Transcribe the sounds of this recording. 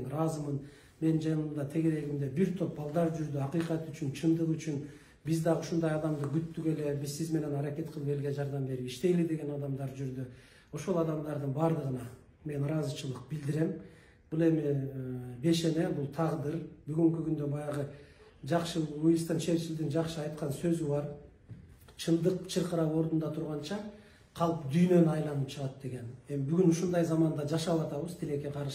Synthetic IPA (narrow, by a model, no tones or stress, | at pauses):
nɾɑzɯmɯn | me̞nnd͡ʒɑnɯmd̪ɑt̪ʰe̞ɡe̞ɾe̞ɡimd̪e̞biɾt̪ʰø̞p̚bɑlˠd̪ɑɾd͡ʒyɾd̪yɑqijqɑt̪yt͡ʃynt͡ʃʰɯnd̪ɯʁyt͡ʃyn | bizd̪ɑʁuʃund̪ɑjɑd̪ɑmd̪ɯɡyt̪ːyke̞le̞bizsizme̞ne̞nɑɾɑke̞t̪̚qʰəlˠpe̞lɡe̞d͡ʒɑɾd̪ɑmbe̞ɾipiʃt̪e̞jlid̪e̞ɡe̞nɑd̪ɑmd̪ɑɾd͡ʒyɾd̪y | o̞ʃo̞lˠɑd̪ɑmd̪ɑɾd̪ɯnbɑɾd̪ɯʁɯnɑ | me̞nɾɑzɯt͡ʃɯlˠɯq̚bild̪iɾe̞m | b̥ulˠe̞mi | be̞ʃe̞ne̞bulˠt̪ʰɑʁd̪ɯɾbyɡyŋkykynd̪ø̞bɑjɑʁɯ | d͡ʒɑqʃɯujɯst̪ɑnʃe̞ɾt͡ʃild̪ind͡ʒɑqʃɯɑjt̪qɑnsø̞zyβɑɾ | t͡ʃʰɯlˠd̪ɯqt͡ʃʰɯɾqɯɾɑwo̞ɾd̪und̪ɑt̪ʰuɾʁɑnt͡ʃɑ | qʰɑlˠpd̪yjnø̞nyɑjlˠɑnɯp̚t͡ʃʰɯʁɑt̪̚d̪̥e̞ɡe̞ne̞mbyɡynuʃund̪ɑjzɑmɑnd̪ɑd͡ʒɑʃɑβɑt̪ɑβɯzt̪ʰile̞ke̞qʰɑɾʃ